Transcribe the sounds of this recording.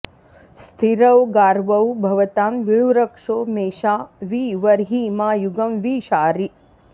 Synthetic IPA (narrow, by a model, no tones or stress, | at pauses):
st̪ʰiɾɐwɡaːɾʋɐwbʱɐʋɐt̪aːmʋiɭuɾɐkʂoːmeːʃaːʋiːʋɐɾɦiːmaːjuɡɐmʋiːʃaːɾi